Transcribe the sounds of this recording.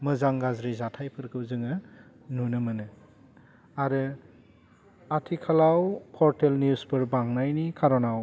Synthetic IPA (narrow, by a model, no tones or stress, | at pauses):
mɯzaŋɡazɾizatʰajpʰɯɾkʰɯwzɯŋɯ | nunɯmɯnɯ | aɾɯ | atʰikʰalawpʰɔɾtelnjuspɯɾbaŋnajnikʰaɾɔnaw